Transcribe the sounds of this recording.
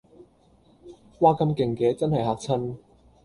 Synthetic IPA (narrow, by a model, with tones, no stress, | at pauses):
waː˧kɐ˧mkɪ˨˩ŋkɛː˨˧t͡sɐ˥nhɐ˨˩jhaː˨˧k̚t͡sʰɐ˥n